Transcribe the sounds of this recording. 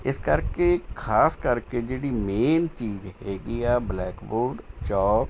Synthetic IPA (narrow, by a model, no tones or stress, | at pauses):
ɪskəɾkekʰaːskəɾked͡ʒeːɽimeːnt͡ʃiːzɦeːɡiɛːblɛːkboːɾɖt͡ʃɔːk